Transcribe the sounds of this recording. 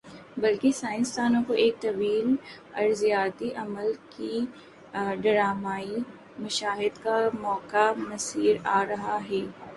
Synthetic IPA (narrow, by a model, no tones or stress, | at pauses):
bɐlkesaːɪ̃nst̪aːnõkoʔeːk̚t̪ɐʋiːl | ɐ̰ɾzijaːt̪iʔɐməlki | ɖɐɾaːmaːi | mɐʃaːɦɪd̪kamɔːkamɐsiːɾaːɾɐɦaɦɛː